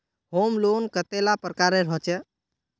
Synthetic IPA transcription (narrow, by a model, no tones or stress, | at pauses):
homlonkət̪elapɾəkaɾeɾɔt͡ʃɛ